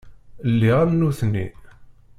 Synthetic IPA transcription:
lːiʁamnuθnḭn

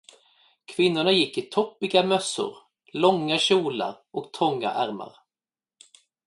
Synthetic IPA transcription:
kʰvɪnːʊɳajɪkːɪt̪ʰɔpːɪɡamœsːʊ̰ɾ | lɔŋːaɕuːla̰ɾ | ɔkt̪ʰɔŋːa̰ʔæɾma̰ɾ

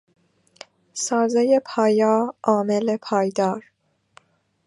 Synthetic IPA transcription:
sɒːzejepʰɒːjɒːʔɒːmelepʰɒːjd̪ɒːɾ

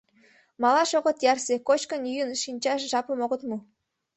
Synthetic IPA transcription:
mɑlɑʃoʁə̆t̪jɑrsekot͡ɕkə̆njyjənʃinʲt͡ɕɑʃʒɑpə̆moɣə̆t̪mu

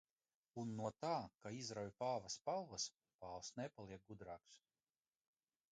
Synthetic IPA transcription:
unːuɔt̪aːkaizɾawjpaːvaspalˠvɐs | paːlsnepalˠiɛk̚ɡud̪ɾaːks

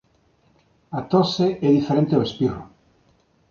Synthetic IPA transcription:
at̪oseʔɛðifeɾẽnt̪eoespiru

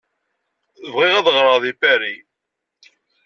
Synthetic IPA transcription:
əvʁɪʁæðʁɾˤɑðˤifæɾi

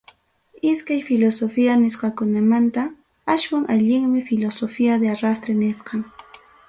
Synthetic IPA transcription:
ɪskajfɪlosofianɪsqɑkʊnamant̪a | aʃwaŋʔaʎɪŋmɪfɪlosofiad̪eaɾast̪ɾenɪsqɑŋ

